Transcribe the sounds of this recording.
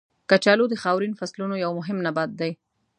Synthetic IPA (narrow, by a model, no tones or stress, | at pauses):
kat͡ʃalod̪əxɑwɾinfaslunojawmʊɦɪmnabad̪̚ːaj